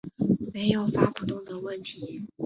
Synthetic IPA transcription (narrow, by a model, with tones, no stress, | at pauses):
me˧˥ɪjo˨˩ʊfa˥ku˨˩t̪ʊ˥˩ŋd̪ə˩wə˥˩nt̪ʰi˨˧˥